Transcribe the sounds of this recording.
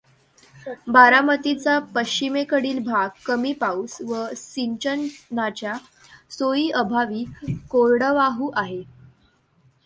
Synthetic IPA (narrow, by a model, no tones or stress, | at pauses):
baɾamət̪it͡sapəɕt͡ɕimekəɽiːlbʱaɡkːəmiːpausʋəsiɲt͡ɕənnːat͡ɕja | sojiːʔəbʱaʋiːkoɾɽəʋaɦuːʔaɦe